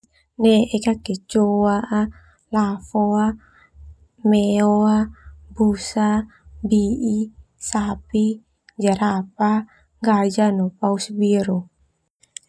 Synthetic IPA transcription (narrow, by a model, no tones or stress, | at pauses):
nɛʔekakɛt͡ʃoaʔa | lafoa | mɛoabusa | bii | sapi | d͡ʒaɾapa | ŋɡad͡ʒanɔpausbiɾo